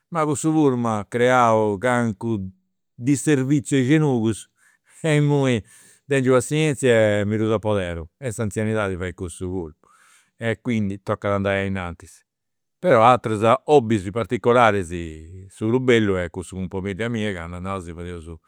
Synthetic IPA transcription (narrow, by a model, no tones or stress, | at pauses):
makusuvuɾmakɾɛaukaŋku | d̪iseɾvit̪sːjuɛd͡ʒenuːɣuz | ɛmːui | d̪ɛnd͡ʒuasːiɛnt̪sjamiɾuzapːɔðɛːɾuɛsant̪sjaniðaːðivaikust̪uɣuɾpu̥ | ɛkːwind̪it̪ɔkːaðand̪ajainant̪i̥s | pɛɾɔat̪ɾazaobːizipaɾt̪ikːɔlaːɾɛzisuɾubelːuɛkːusukumpamilːjamiːaka̰nd̪anaːuzivaðɛuzu